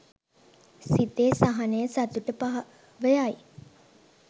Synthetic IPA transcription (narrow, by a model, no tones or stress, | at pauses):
sit̪eːsaɦanəjəsat̪uʈəpaɦ | ʋəjaj